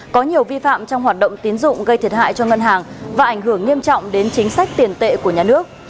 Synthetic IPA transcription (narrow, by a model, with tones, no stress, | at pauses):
kɔ˨˦ɲi˨˩əwvi˧fa̰ː˧˨mt͡ɕɔ˧wŋ͡mɦwaː˨˩t̚ɗə̰˧˨wŋ͡mt̪i˨˦nzʊ̰˧˨ŋ͡mɣə˧jt̪ʰi˨˩ət̚ɦa̰ː˧˨jt͡ɕɔ˧ŋə˧nɦaː˨˩ŋvaː˨˩ʔa˧˩jŋ̟ɦɨ˧˩əŋːi˧əmt͡ɕɔ̰˧˨wŋ͡mɗe˨˦nt͡ɕï˨˦ŋ̟sa˦˥jk̚t̪i˨˩ənt̪ḛ˧˨ku˧˩əɲaː˨˩nɨ˦˥ək̚